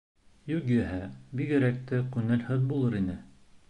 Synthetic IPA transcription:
jʉkjæɦæbikɘ̆ɾæk̚t̪ɘqʉnælhɵðbulˠɤɾinɘ

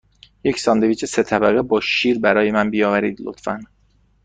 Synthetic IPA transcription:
je̞cʰsɒːnd̪eviːt͡ʃʰese̞t̪ʰæbæɣebɒːʃiːɾbæɾɒːje̞mænbijɒːvæɾḭːd̪lo̰t̪fæn

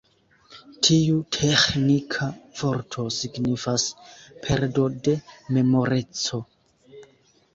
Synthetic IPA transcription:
tʰiutʰexnikʰavo̞ɾtʰo̞siɡnifaspʰeɾdo̞de̞me̞mo̞ɾe̞t͡so̞

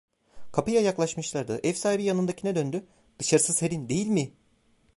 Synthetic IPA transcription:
kʰapɯjajaklˠaʃmɯʃlˠaɾd̪ɯʔɛfsajbijanɯnd̪acʰinɛd̪ønd̪y | d̪̥ɯʃaɾɯsɯzheɾind̪e̞jilʲmɪ

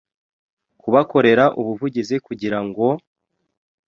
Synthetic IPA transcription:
kuβako̞ɾe̞ɾaʔuβuvuɟizikuɟiɾaŋɡo̞

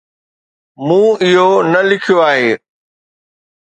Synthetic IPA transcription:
mũːɪɦonɐlɪkʰijoaːɦeː

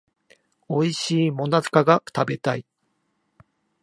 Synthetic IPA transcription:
o̞iɕiːmo̞nazɨ̥kaɡat̪abe̞t̪ai

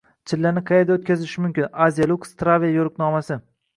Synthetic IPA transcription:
t͡ʃʰɪlːanɪqʰɑjed̪aot̪̚kʲazɪʃɪmʊmkʲɪnazijalˠukst̪ɾavijajoɾqnɒmasɪ

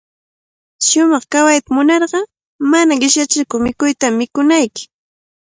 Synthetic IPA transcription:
ʃʊmɑχkawajt̪amʊnɑɾɢɑ | manaɢɪʃjat͡ʃɪkʊmɪkʊjt̪amːɪkʊnajkɪ̥

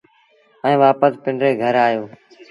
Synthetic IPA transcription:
ɛ̃ːʋaːpəspɪɳɖɾeːɡʱəɾaːɦijoː

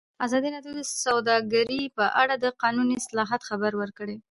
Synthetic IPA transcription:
azɑd̪inɑdjud̪əsawd̪ɑɡaɾipəʔaɽad̪əqɑnuniɪslɑɦat̪xabaɾwəɾkəɽe

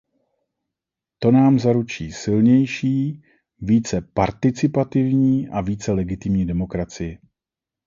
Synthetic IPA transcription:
t̪o̞naːmzaɾut͡ʃiːsɪlɲɛjʃiː | viːt͡sɛpaɾt̪ɪt͡sɪpat̪ɪvɲiːʔaviːt͡sɛlɛɡɪt̪ɪmɲiːdɛmo̞kɾat͡sɪjɪ

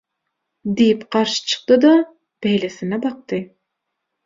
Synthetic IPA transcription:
d̪ijipqʰɑɾʃɯ̥t͡ʃʰɯ̥q̚t̪ɯd̪ɑ | b̥æjlesinɛbɑq̚t̪ɨ

